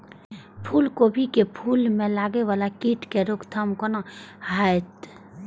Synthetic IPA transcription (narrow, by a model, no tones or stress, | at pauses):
pʰuːlkobʱikepʰuːlmẽlaːɡeʋaːlakiːʈkeɾʊkt̪ʰɐmkonãɦajt̪